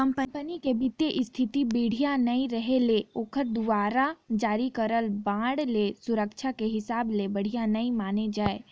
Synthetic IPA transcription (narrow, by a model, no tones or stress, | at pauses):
kɐ̃mpəmpənikebɪt̪ːeʔɪst̪ʰɪt̪ibiːɽ̤ijanɐĩɾəɦeleoːkəɾd̪ʊʋaːɾad͡ʒaːɾikəɾəlbãːɽlesʊɾəkt͡ʃʰakeɦɪsaːblebɐɽ̤ijanɐimaːned͡ʒaːe